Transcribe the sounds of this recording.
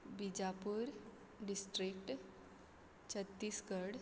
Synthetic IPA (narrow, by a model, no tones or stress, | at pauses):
bid͡ʒapuɾ | ɖisʈɾik̚ʈ | t͡ɕʰət̪ːiːsɡəɽ